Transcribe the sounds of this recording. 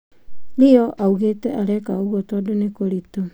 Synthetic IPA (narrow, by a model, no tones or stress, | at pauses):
ɾioʔawɡeteʔaɾekauɡotodonekoɾito